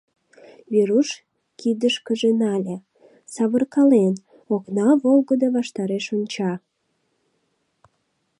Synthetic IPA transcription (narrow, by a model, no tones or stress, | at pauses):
βiɾuʃ | kid̪əʃkəʒenɑlʲe | sɑβərkɑlen | oknɑβolɣəd̪oβɑʃt̪ɑɾeʃonʲt͡ɕɑ